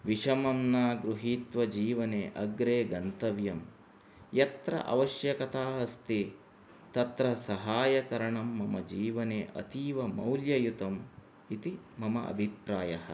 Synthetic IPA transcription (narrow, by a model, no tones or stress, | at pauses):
ʋiʂɐmɐmnaːɡɾuɦiːt̪ʋɐd͡ʒiːʋɐneːʔɐɡɾeːɡɐnt̪ɐʋjɐm | jɐt̪ɾɐ̰ʔɐ̰ʋɐʃjɐkɐt̪aːɦɐst̪i | t̪ɐt̪ɾɐsɐɦaːjɐkɐɾɐɳɐmːɐmɐd͡ʒiːʋɐneːʔɐ̰t̪iːʋɐmɐwljɐjut̪ɐm | it̪i | mɐmɐʔɐ̰bʱipɾaːjɐɦɐ̰